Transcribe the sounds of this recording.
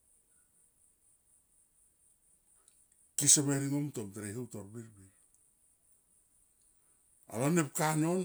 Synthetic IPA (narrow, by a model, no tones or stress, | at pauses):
kisaβeɾiŋomtomteɾehowtoɾbiɾbiɾ | a̰lanep̚kanon